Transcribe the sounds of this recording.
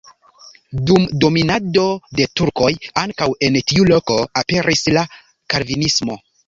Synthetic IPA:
dumdo̞minado̞de̞tuɾko̞jaŋkawe̞ntiulo̞ko̞ape̞ɾʔisla | kaɾvinismo̞

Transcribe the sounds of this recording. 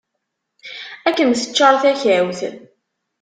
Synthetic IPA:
ækːənθə̥t͡ʃːɑɾˤθæçæwθə̰n

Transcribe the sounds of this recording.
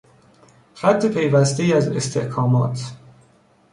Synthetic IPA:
xæt̪ʰːepʰe̞jvæst̪eiːæzḛst̪ʰe̞̰hkʰɒːmɒ̰ːt̪ʰ

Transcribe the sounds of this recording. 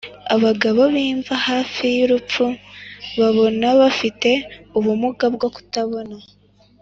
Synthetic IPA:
aβaɡaβo̞βiːɱvahaːfijiɾup͡fuβaβo̞naβafite̞uβumuɡabɡo̞ku̥taβo̞na

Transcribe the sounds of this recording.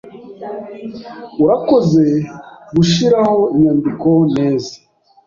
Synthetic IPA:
uɾako̞ze̞ɡuʃiɾaho̞iɲandiko̞ne̞ːza

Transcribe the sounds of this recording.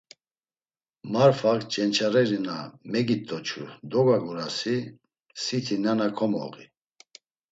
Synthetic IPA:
maɾfakt͡ʃʼɛnt͡ʃʰaɾɛɾinamɛɡit̪ʼɔt͡ʃʰṵd̪ɔɡaɡuɾasi | sit̪ʰinanakʰɔmɔ̰ʁḭ

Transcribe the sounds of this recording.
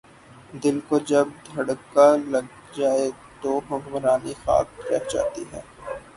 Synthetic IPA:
d̪ɪlkod͡ʒɐb̚d̪ʱɐɽkalɐɡ̚ | d͡ʒaːe | t̪obʱɐɡməɾaːnixa̰ːkɾɛɦd͡ʒa̰ːt̪iɦɛː

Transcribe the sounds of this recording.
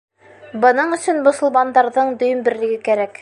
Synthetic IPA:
bɤ̆nɤɴɵ̆sɵnmŏsŏlˠmɑnd̪ɑɾðɤɴd̪ɵ̆jɵmbɘ̆ɾlɘ̆ɡɘkæɾæk

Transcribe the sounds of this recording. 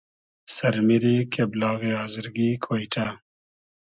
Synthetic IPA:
sɐɾmiɾikʰeblɑːɣeɑːzəɾɡikʰwojʈʰa

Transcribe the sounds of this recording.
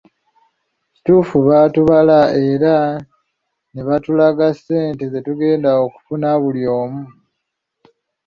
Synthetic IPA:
ci̥tuːfuβatuβalae̞ɾa | neβatulaɡasːe̞ːntezetuɡe̞ːndaoku̥funaβuljo̞ːmu

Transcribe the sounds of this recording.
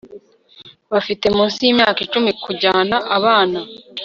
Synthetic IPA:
βafite̞mũːnsijimɲaːkit͡ʃumikuɟanaʔaβaːna

